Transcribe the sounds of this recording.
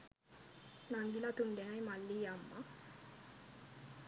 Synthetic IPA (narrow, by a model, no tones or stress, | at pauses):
naŋɡilat̪umd̪enajmalːijamːa